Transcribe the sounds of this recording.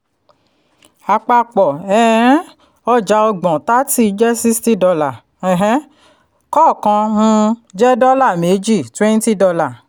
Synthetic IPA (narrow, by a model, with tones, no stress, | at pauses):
a˨k͡pa˧k͡pɔ˨ɛ˨ɾ̃ɛ̃˦ | ɔ˦d͡ʒa˨˧˦ɔ˧ɡ͡bɔ̃˨ta˦ti˦˨˧d͡ʒɛ˦si˦sti˦dɔ˧la˨ | ɛ˨ɦɛ̃˦ | kɔ˦˨kã˧nũ˦d͡ʒɛ˦dɔ˦la˦˨me˨˦d͡ʒi˦˨twẽ˦n˦ti˦dɔ˧la˨